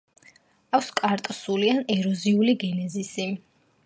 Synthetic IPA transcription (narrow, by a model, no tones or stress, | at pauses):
akʰskʼaɾt̪ʼsulianɛɾɔziuliɡɛnɛzisi